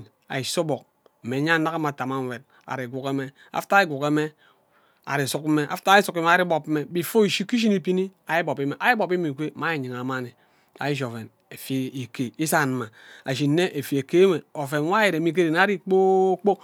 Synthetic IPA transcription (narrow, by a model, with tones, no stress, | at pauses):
a̰˨i˨so˦bo˨k̚ | m̩˨me˨˦ɲa˦na˦ka˦ma˨ta˨ma˦˨m̩˦˨we˨t̚ | a̰˨ɾi˨ɡʷu˨ke˦me˦ | a̰˨fta˦i˦ɡʷu˨ke˨˦me˦ | a̰˨ɾi˨su˦k̚m̩˦me˦ʔa̰˨fta˦i˦su˨˦ke˦me˨a˨ɾi˦bo˨p̩˦me˦bi˨fo˦i˨ʃi˦ki˦ʃ̬i˦ni˦pi˦ni˦ | a˨ji˦bo˨pi˦me˨ʔa˨ji˦bo˨pi˦mi˨kʷe˦ma˨˦i˦˨ɲi˨ŋa˨ma˦ni˨ | a̰˨ji˦d͡ʒo˨fe˨n | e˨fi˨i˨ke˨i˦sa˦˨n˨ma˨a˨ʃ̬iː˨˦e˦ʔe˨fi˨e˨ke˦me˨o˨fe˨n˦wa˦ji˨ɾe˨mi˨k̬e˦ɾe˨n˨˦a˦ɾi˦k͡po˦k͡po˦